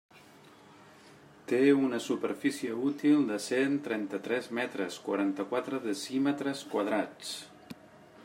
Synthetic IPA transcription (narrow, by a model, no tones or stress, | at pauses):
t̪eunəsupəɾfisiəut̪ilˠd̪əsent̪ɾɛnt̪ət̪ɾɛzmɛt̪ɾəskwə̰ɾant̪əkwat̪ɾəðəsimət̪ɾəskwəð̞ɾat͡s